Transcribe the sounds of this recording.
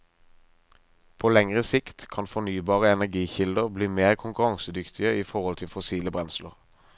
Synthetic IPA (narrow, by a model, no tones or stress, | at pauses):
pʰoːlɛŋʁəsɪkt̪kʰɑnfɔnyːbɑːʁəɛnæʁɡiːçɪld̪əʁbliːmeːʁkʰʊŋkʊʁɑŋsəd̪ʏkt̪ʰɪəiːfɔʁɔlt̪ʰɪlfʊsiːləbʁɛnsləʁ